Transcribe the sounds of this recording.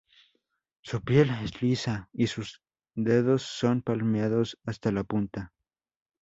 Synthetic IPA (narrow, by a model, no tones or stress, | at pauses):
supjelaest͡ɬisaisus | d̪eðosːompalmeaðosast̪alapunt̪a